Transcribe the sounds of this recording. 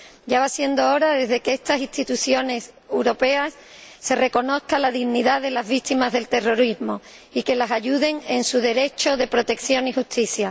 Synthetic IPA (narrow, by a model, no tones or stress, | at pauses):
ɟ͡ʝaβasje̞nd̪o̞oɾaðe̞zðe̞keest̪asit̪it̪uθjo̞ne̞sewɾo̞pe̞asː | e̞re̞ko̞no̞θkalaðiɣniðaðe̞lazβit̪imazðe̞lt̪e̞ro̞ɾizmo̞ | ike̞lasaʝuðe̞ŋe̞nsuðe̞ɾe̞t͡ʃo̞ðe̞pɾo̞t̪e̞kθjo̞ŋixust̪iθja